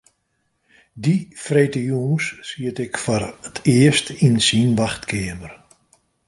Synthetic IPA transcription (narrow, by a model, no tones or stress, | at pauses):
difreːtəjuːŋssiətɪkfɔrətʰɪəstinsinʋaxtkʰɪəmər